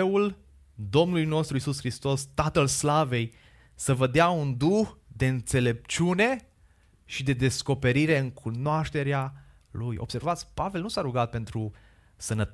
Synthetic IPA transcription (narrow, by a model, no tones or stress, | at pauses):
ul | d̪o̞mnulujno̞st̪ɾuisusxɾist̪o̞st̪at̪əlslave̞j | səvəd̪eaund̪uxd̪e̞ɨnt̪se̞le̞p̚t͡ʃune̞ | ʃid̪e̞d̪e̞sko̞pe̞ɾiɾe̞ɨŋkʰunoaʃt̪e̞ɾea | lujʔob̥se̞rvat̪sʲpave̞lnusaɾuɡat̪̚pe̞nt̪ɾu | sənət